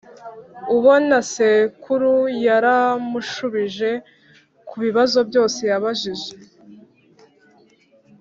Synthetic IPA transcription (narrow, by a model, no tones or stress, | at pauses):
uβo̞nasekʰuɾujaɾamuʃuβiʒe̞ | kʰuβiβazo̞bjo̞ːse̞jaβaʒiʒe